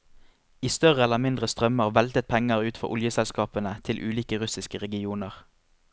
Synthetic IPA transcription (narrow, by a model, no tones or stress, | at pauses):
iːst̪œʁəɛlːəmɪnd̪ʁəst̪ʁœməʁʋɛlt̪ət̪̚pʰɛŋəʁʉːt̪fɔ̰ʔʊljəsɛlskɑːpənət̪ʰɪlʔʉːliːkəʁʉsɪskəʁɛɡɪuːnəʁ